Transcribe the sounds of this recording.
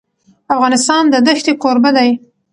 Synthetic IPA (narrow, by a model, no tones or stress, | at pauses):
afɣɑnɪst̪ɑnd̪əd̪əxt̪eqoɾbad̪aj